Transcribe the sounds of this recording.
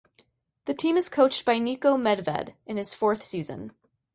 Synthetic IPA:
ðɨtʰĩmɨz̥kʰoʊt͡ʃt̚b̥aɪnikoʊmɛdvɛ̰ɾɨ̃nɨz̥fɔɹθsizɨ̰̃n

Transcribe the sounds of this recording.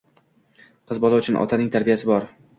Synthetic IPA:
qʰɨzbɒlˠaʊt͡ʃʰʊnʔɒ̰t̪ʰanɪŋt̪ʰaɾbijasɪbɒɾ

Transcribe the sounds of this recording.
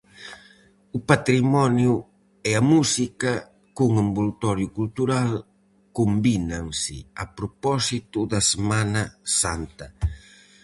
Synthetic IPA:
upat̪ɾimɔnju | ɛɐmusikɐ | kuŋambulut̪ɔɾjukult̪uɾal | kombinaŋsɪapɾopɔsit̪ud̪ɐsemanɐsant̪ɐ

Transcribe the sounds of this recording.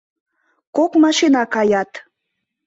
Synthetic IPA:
kokmɑʃinɑkɑjɑt̪

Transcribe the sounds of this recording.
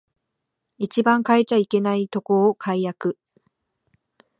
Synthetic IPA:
it͡ɕibãŋkaet͡ɕaike̞nait̪o̞ko̞ːkʰaijakɯ̟

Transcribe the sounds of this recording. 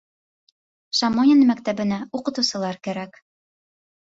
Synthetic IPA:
ʃɑmonʲɪnmæk̚t̪æbɘ̆næuqɤ̆t̪ɤ̆wsɤ̆lˠɑɾkæɾæk

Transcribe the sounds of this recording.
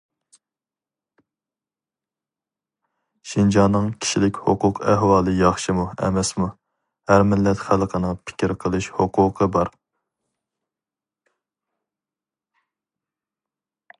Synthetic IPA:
ʃind͡ʒɑnːɨŋkʲʰi̥ʃilɪkʲhoqʊqʰɛɦwɑːlˠɨjɑχʃimuɛ̰mɛsmu | hæɾmɪlːɛt̪χælˠqʰənɨŋpʰɪ̥kʲiɾqʰəlˠɨʃhoqʰʊːqʰəbɑɾ

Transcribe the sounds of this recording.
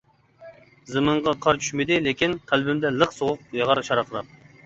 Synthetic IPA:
zɨmɨɴʁɑqʰɑɾt͡ʃʰy̥ʃmɪd̪ɪlekʲinqʰælbɪmd̪ɛlˠəqsoʁʊq̚jɑʁɑɾʃɑɾɑqʰəɾˠɑp̚

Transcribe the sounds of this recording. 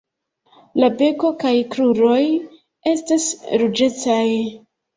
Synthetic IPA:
labe̞ko̞kajkɾuɾo̞j | e̞stasɾud͡ʒe̞t͡saj

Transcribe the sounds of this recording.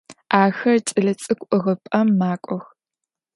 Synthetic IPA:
aːxɐrt͡ʃʼɨɮɐt͡sʼɨkʷʼʊʁɐpʼɐmːaːkʷʼɔx

